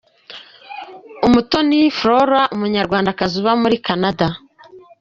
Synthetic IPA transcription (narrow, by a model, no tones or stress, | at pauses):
umuto̞nifɾoɾaʔumuɲaɾɡwaːndakazuβamuɾikanada